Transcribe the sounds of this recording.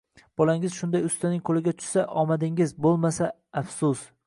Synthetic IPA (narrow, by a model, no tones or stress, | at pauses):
b̥ɒlaŋɪzʃʊnd̪ajʊst̪anɪŋkʰolɪɡʲat̪ʰʊ̥ʃsaʔɒmad̪ɪŋɪzbolˠmasaː | fsʊs